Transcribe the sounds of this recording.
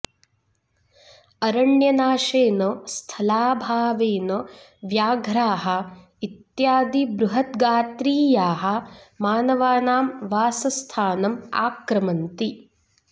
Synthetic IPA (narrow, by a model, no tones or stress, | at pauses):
ɐɾɐɳjɐnaːʃeːnɐst̪ʰɐlaːbʱaːʋeːnɐ | ʋjaːɡʱɾaːɦɐ̆ | it̪jaːd̪ibɾuɦɐt̪ɡaːt̪ɾiːjaːɦɐ̆maːnɐʋaːnaːmʋaːsɐst̪ʰaːnɐma̰ːkɾɐmɐnt̪i